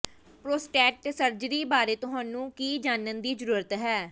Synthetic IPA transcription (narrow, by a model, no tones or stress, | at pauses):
pɾoːsʈɛːʈsəɾd͡ʒəɾiːbaːɾeːt̪ʊɦãːnũːkiːd͡ʒaːnənd̪iːd͡ʒəɾuːɾət̪ɦɛː